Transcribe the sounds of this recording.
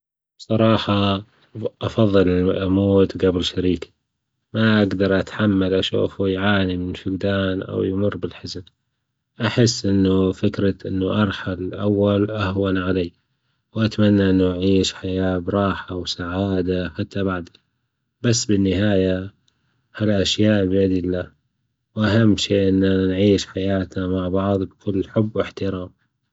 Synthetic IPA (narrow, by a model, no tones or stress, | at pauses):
bsˤɑɾˤɑːħɑ | ʔɑfɑðˤːɨlɪʔamoːt̪ɡabɪlʃaɾiːk | maʔaɡd̪ɑɾˤʔat̪ħamːalʔaʃṵːfujʕaːnimɪnfɪɡd̪aːnʔa̰wjmʊrːbɪlħɪzab | ʔaħɪsːʔɪnːufɪkɾaʔɪnːuʔɑɾˤħalʔa̰wːalʔahwanʕaleː | wʔat̪amanːaʔɪnːuʔʕiːʃħajaːbɾˤɑːħawsaʕaːd̪aħat̪ːabaʕd̪a | basːbɪnːɪɦaːja | halʔaʃjaːʔbjad̪ɪlːaː | wʔaɦamːʃeːʔɪnːanʕiːʃħajaːt̪namaʕbɑʕðˤbkʰʊlːħʊbːwɪħt̪ɪɾɑːm